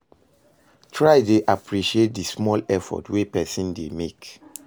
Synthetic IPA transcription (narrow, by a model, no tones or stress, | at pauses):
tʰɹaɪdeʔapʰɹiʃiet̚dismɔlɛfɔ̰twepɛsĩndemek